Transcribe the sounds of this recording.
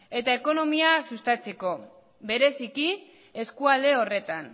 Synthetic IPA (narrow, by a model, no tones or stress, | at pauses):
e̞t̪aeko̞no̞miasust̪at͡se̞ko̞ | be̞ɾe̞siki | e̞skuald̪e̞ore̞t̪an